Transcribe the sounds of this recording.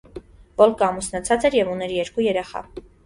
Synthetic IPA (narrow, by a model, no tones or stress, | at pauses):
bɔlkəɑmusnɑt͡sʰɑt͡sɛɾjɛvunɛɾjɛɾkujɛɾɛχɑ̰